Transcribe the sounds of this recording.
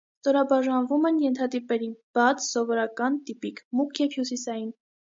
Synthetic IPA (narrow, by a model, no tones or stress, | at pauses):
st̪ɔɾɑbɑʒɑnvumɛnjɛnt̪ʰɑd̪ipɛɾib̥ɑt͡sʰsɔvɔɾɑkɑnt̪ipikʰmukʰjɛvhjusisɑjin